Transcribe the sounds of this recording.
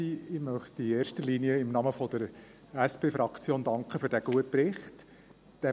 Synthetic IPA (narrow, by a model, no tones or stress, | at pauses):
iɪmœχtieːrʃtəliːniəɪmnɑməfɔd̥̪əɾ | æspeːfɾɑkt͡sjoːnd̥ɑŋkχəføɾdæɡ̥uət̚pɾɪχt | d̥æ